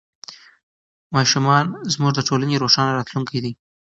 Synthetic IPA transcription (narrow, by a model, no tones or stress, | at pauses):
mɑʃumɑnzmuʐd̪əʈʰolaneɾoʂɑnaɾɑt̪luŋkajd̪i